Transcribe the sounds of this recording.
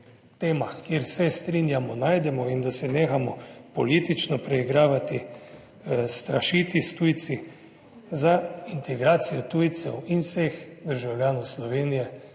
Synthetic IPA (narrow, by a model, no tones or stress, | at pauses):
t̪eːmaxkjeɾsɛst̪ɾiːnjamɔnaːjd̪ɛmɔind̪asɛneːxamɔpɔliːt̪it͡ʃnɔpɾɛiɡɾaːʋat̪i | st̪ɾaʃiːt̪ist̪ujt̪si | zaint̪ʰɛɡɾaːt̪sijɔt̪uːjt̪sɛwinwsexd̪əɾʒawlʲjaːnɔwslɔʋeːnijɛ